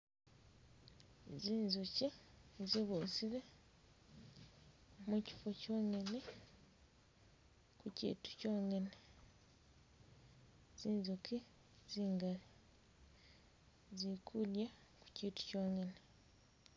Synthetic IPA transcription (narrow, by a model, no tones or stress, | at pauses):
ziːnzuciziβuːsiɾe | muci̥focoːŋene | kucḭːtu̥co̞ːŋene | z̥iːnzuki | ziːŋɡali | zikʰulja | ku̥citu̥coːŋɡene